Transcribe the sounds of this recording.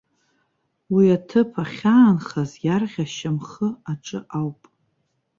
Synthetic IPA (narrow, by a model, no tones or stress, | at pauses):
wiatʰɨpʰaχʲaːnχazjarʁʲaʃamχəaʈ͡ʂʼɨ̰ʔawpʼ